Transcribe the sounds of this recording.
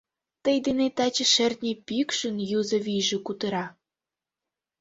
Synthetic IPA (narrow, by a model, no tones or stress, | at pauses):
t̪əjd̪enet̪ɑt͡ɕə̆ʃert̪ʲnʲepikʃə̆njuzə̆βʲijʒĕkut̪əɾɑ